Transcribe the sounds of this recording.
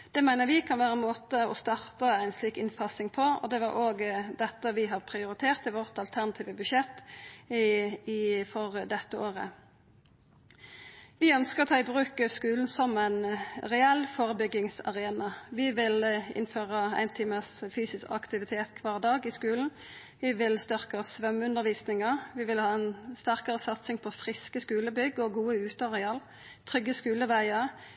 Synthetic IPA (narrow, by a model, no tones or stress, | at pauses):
d̪̥ɛːmæɪnəʁʋɪkʰɑnʋæːʁəɛnmoːt̪əɔ̰st̪ɑʁt̪əæɪnsliːkɪnfɑsɪŋpʰɔɔ̰d̪ɛʋɑɾʔoːɡd̪ɛt̪ːəʋɪɦɑʁpʰʁɪʊɾɪt̪ʰeːʁt̪ɪʋɔʁt̪ɑlt̪ʰæʁnɑt̪ʰiːʋəbʉʃɛt̪ː | ɪfɔʁd̪ɛt̪ːəʔoːʁə̰ | ʋɪœnskəʁɔt̪ʰɑːɪbʁʉːkəskʉːln̩sɔmæɪnʁɛɛlfoːʁəbʏɡɪŋsɑ̰ʁeːnɑʋɪʋɪlɪ̰nføːʁəæ̰ɪnt̪ʰiːməsfyːsɪskɑ̰kt̪ɪʋɪt̪ʰeːt̪kʰʋɑːʁd̪ɑːɡɪskʉːln̩ | ʋɪʋɪlst̪ʏʁkəsʋœmʉnəʁʋiːsnɪŋəʁʋɪʋɪlhɑːɛnst̪æʁkəʁəsɑt̪sɪŋpʰɔfʁɪskəskʉːləbʏɡːɔɡuːəʉːt̪ɑʁɛɑl | t̪ʰʁʏɡːəskʉːləʋæɪəʁ